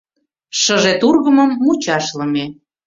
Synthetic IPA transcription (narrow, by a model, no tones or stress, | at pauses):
ʃəʒet̪urɣəməmːut͡ɕɑʃlə̆me